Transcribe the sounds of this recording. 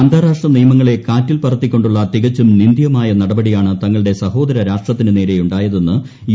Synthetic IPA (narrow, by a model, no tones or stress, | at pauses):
ɐnd̪ʱaːɾaːʂʈrɐnijɐmɐŋːɐɭe̞kaːtːilpɐrɐt̪ːikʲːo̞ɳɖuɭːɐt̪iɣɐt͡ɕːumnind̪jɐmaːjɐnɐɽɐbɐɽijaːɳɨt̪ɐŋːɐɭɨɽe̞sɐho̞ːd̪ɐɾɐɾaːʂʈrɐt̪ːinɨneːɾe̞juɳɖaːjɐðe̞nːɨ | j